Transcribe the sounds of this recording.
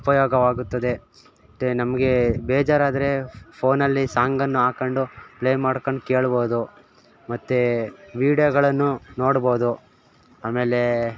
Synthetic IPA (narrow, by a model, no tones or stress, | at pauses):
upɐjɔːɡɐʋaːɡut̪ːɐd̪e̞ | ʈenɐmɐɡe̞bɛːd͡ʒaːɾaːd̪ɐɾe̞pʰo̞ːnɐlːisaːŋɡɐnːuaːkɐɳɖupleːmaːɽkoɳɖke̞ːɭboːud̪u | mɐt̪ːeʋiːɖijoɡɐɭɐnːuno̞ːɽboːud̪u | aːme̞ːle̞